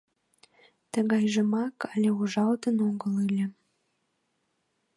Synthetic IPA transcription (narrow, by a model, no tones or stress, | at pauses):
t̪əɣɑjʒə̆mɑkɑlʲeuʒɑlt̪ənoŋɡəlɯlʲə̆